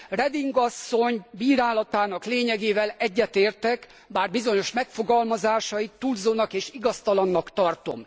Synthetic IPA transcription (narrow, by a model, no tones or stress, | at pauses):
rɛd̪iŋɡɒsːo̞ɲbiːɾaːlɒt̪aːnɒkleːɲɛɡeːvɛlɛɟːɛt̪eːrt̪ɛk | baːrbizo̞ɲo̞ʃmɛkfo̞ɡɒlmɒzaːʃɒjit̪ːulzoːnɒkeːʃiɡɒst̪ɒlɒnːɒkt̪ɒrt̪o̞̰m